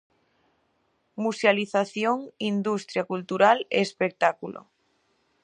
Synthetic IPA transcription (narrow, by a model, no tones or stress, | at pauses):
musjaliθaθjoŋind̪ust̪ɾjakult̪uɾalḛːspek̚t̪akulʔo̰